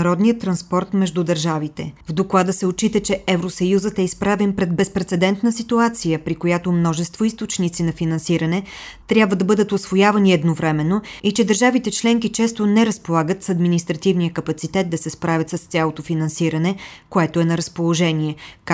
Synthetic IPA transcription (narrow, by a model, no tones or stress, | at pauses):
ɾɔd̪nijət̪ɾɐnspɔɾt̪mɛʒd̪ud̪ɐɾʒavit̪ɛ̰vd̪oklˠad̪əsɛot͡ʃit̪ət͡ʃɛɛvɾosəjuzət̪ɛispɾavɛnpɾɛd̪̚bɛspɾɛt̪sɛd̪ɛnt̪nəsit̪uat̪sijəpɾikojat̪omnɔʒɛst̪voist̪ot͡ʃnit̪sinɐfinɐnsiɾɐnɛ | t̪ɾʲjabvəd̪ɐbɤd̪ət̪osvojavɐniɛd̪novɾɛmɛnːoit͡ʃɛd̪əɾʒavit̪ɛt͡ʃlɛŋkit͡ʃɛst̪onɛɾɐspolˠaɡət̪sɐd̪minist̪ɾɐt̪ivnijəkɐpɐt̪sit̪ɛt̪̚d̪ɐsɛspɾavʲɐt̪səst̪sʲjalˠot̪ofinɐnsiɾɐnɛkoɛt̪oɛnɐɾəspolˠoʒɛniɛ